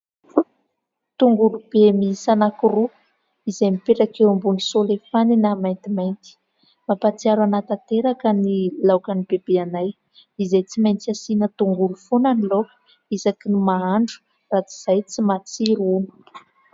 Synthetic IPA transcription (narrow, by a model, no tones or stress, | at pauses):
t̪uŋɡulub̥emisanakuru | izajmipeʈ͡ʂakewambunisolefaninamajnt̪imajnt̪i̥ | mapat͡siaɾanat̪at̪eɾakənilawkanibebeanaj | izajt͡simajnt̪iasinət̪uŋɡulufonanilo̥ | izakinumaaɳɖ͡ʐu̥ | rat͡si̥z̥ajt͡simat͡siɾunu̥